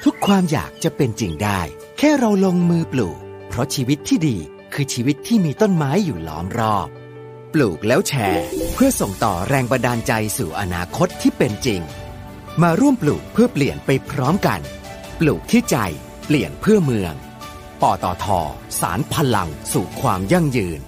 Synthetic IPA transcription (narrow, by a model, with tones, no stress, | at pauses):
t̪ʰu˦˥kʰːwaː˧mja̰ː˨˩k̚t͡ɕa˨˩pe˧nt͡ɕi˧ŋdaː˥˩j | kʰɛː˥˩ɾa˧wlo˧ŋmɯː˧plṵː˨˩k̚ | pʰɾɔ˦˥t͡ɕʰiː˧wi˦˥t̪ʰːiː˥˩diː˧ | kʰɯː˧t͡ɕʰiː˧wi˦˥t̪ʰːiː˥˩miː˧t̪o˥˩nmaː˦˥jːuː˨˩lɔ̰ː˦˥mɾɔː˥˩p̚ | pluː˨˩k̚lɛː˦˥wt͡ɕʰɛː˧pʰɯ˥˩ɐso˨˩ŋt̪ɔ̰ː˨˩ɾɛː˧ŋba˧daː˧nt͡ɕa˧jsṵː˨˩ʔa̰˧naː˧kʰo˦˥t̪ʰːiː˥˩pe˧nt͡ɕi˧ŋ | maː˧ɾu˥˩əmpluː˨˩k̚pʰɯ˥˩ɐpli˨˩ənpa˧jpʰɾɔː˦˥mka̰˧n | pluː˨˩k̚t̪ʰiː˥˩t͡ɕa˧j | pli˨˩ənpʰɯ˥˩ɐmɯ˧əŋ | pɔː˨˩t̪ɔ̰ː˨˩t̪ʰɔ̰ː˧˩ | sa̰ː˩˦npʰa˧la̰˧ŋsuː˨˩kʰwaː˧mja˥˩ŋjɯː˧n